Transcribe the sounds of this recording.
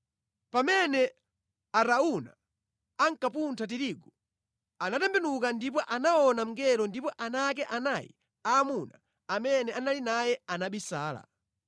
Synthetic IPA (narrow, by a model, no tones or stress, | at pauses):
pamɛnɛ | aɾauna | aŋkapuntʰat̬iɾiːɡɔ | anatɛmbɛnukandip̬ɔʔanaɔnam̩ŋɡɛɾɔndipɔʔanak̬ɛʔanajḭ | aːmuna | amɛnɛanalinajɛanaɓisaːla̰